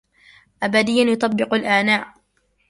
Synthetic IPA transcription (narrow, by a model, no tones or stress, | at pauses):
ʔabad̪ɪjːanjʊt̪ˤɑbːɪqʊlʔaːnaːʔ